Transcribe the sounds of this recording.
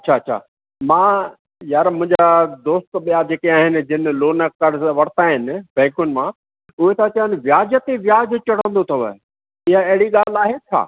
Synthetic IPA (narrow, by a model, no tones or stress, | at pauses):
ɐtːɕʰaɐt͡ɕʰa̰ː | mãː | jaːɾmʊ̃ɦɪ̃ɲd͡ʑad̪oːst̪ɓijad͡ʑeːkeaːɦɪnɪ̆d͡ʑɪnɪ̆loːnəkəɖʋɐɽ̤t̪aɦɪnɪ̆bɛ̃ːkʊnɪ̆mã | ʊɦet̪ʰat͡ɕɐʋənʋjaːd͡ʑət̪eʋjaːd͡ʑt͡ɕɐɽ̤ə̃nd̪ot̪ʰɐʋə | ɪɦaɐɦɪɽiɠaːl̤aːɦet͡ɕʰa̰ː